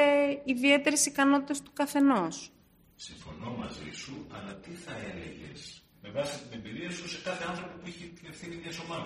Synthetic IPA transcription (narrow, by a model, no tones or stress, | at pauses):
eiðie̞t̪e̞ɾesikɐno̞t̪it̪est̪u̥kɐθe̞nos | siɱfo̞̰no̞mɐzḭsuɐlɐt̪iθɐelḛʝe̞̰s | me̞vɐsi̥st̪ine̞mbiɾiɐsuse̞kɐθe̞ɐnθɾo̞popuiçet̪ie̞fθiniðiɐso̞mɐð